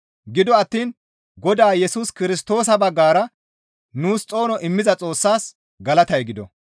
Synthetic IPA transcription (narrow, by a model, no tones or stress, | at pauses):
ɡɪd̪ɔɐt̪ːiːn | ɡɔd̪aːjɛsuːskɪɾɪst̪o̞ːs̬ɐbɐɡːaːɾɐ | nuːst͡sʼo̞ːnɔʔɪmːɪzɐt͡sʼo̞ːsːaːs | ɡɐlɐt̪ɐjɡɪd̪ɔ̰